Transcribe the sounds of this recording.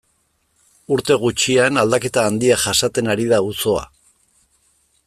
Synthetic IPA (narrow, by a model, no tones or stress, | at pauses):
uɾt̪e̞ɣ̞ut͡ʃianald̪ake̞t̪aːnd̪iaʝasat̪e̞naɾiðauso̞a̰